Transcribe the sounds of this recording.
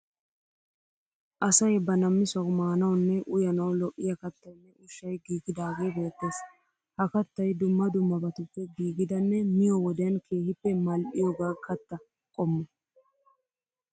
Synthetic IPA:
ʔɐsɐjbɐnɐmːɪsɐwmaːnɐwnːɛʔʊjɐnɐwlɔʔːɪjɐkɐt̪ːɐjnːɛʔʊʃːɐjɡiːɡɪd̪aːɡe̞ːbe̞ːt̪ːe̞ːs | hɐkɐt̪ːɐjd̪ʊmːɐd̪ʊmːɐbɐt̪ʊpːɛɡiːɡɪd̪ɐnːɛmɪjɔwɔd̪ɛjɐnkʰe̞ːhɪpːɛmɐlʔɪjɔɡaːkʰɐt̪ːɐ | kʼɔmːɐ

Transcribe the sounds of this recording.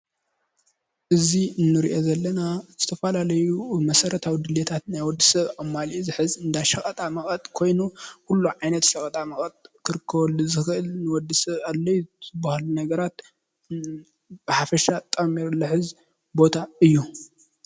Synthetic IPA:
ʔɨziɨnːɨɾḭʔo̞zɐlːɐnaz̥ɨt̪ʰɐfɐlalɐjumɐsɐɾɐt̪ʰawid̪ɨlet̪ʰat̪najwɔd̪ːisɐβaβmalizɨħɨzɨnd̪ajʃɐχʼɐt̪ʼamɐχʼɐt̪ʼkʰo̞jnukulːuʕajnɐt̪ʃɐχʼɐt̪ʼamɐχʼɐt̪ʼkʰɨɾɨkʰːɐβɐlːuzɨxʔɨlnɨwɔd̪ːɨsɐβalːɐjuzɨbːahlunɐɡɐɾat̪ | b̥ɨħafɐʃat̪ʼɐmiɾlɨħɨz | bo̞t̪ʰaɨjːu

